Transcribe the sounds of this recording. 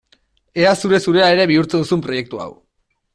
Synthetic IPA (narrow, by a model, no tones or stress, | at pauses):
e̞asuɾe̞suɾe̞ae̞ɾe̞βiuɾt͡seðusumpɾo̞je̞k̚t̪ua̰w